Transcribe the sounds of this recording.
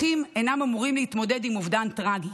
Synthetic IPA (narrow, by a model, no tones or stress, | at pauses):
imenamamuʁimleit̪mo̞de̞dimuvdantʁaɡi